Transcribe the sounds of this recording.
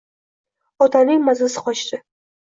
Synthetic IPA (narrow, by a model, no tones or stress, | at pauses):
ɒt̪ʰanɪŋmazlsɨ̥qɒt͡ʃd̪ɪ